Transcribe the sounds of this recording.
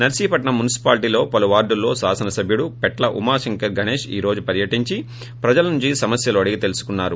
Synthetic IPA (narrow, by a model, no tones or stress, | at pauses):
nɐɾsiːpɐʈnɐmunisi̥paːlʈ̬iːlo̞ːpɐluʋaːɾɖulːo̞ːsaːsɐnɐsɐbʱjuɽupɛʈlɐʔumaːʃiŋkɐɾɡʱɐɳeːʂḭːɾo̞ːd͡ʒupɐɾjɐʈiɲt͡ʃi | pɾɐd͡ʒɐlɐnuɲt͡ʃisɐmɐsjɐluɐɽiɡit̪e̞lusu̥kunːaːɾu